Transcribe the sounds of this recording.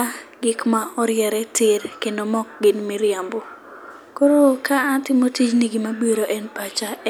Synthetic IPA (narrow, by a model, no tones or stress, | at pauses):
aɡɪkmaɔɾjɛɾɛtɪɾkendomɔk̚ɡɪnmiɾjambo | koɾokaːtɪmotit͡ʃniɡimabeɾoʔɛnpat͡ʃa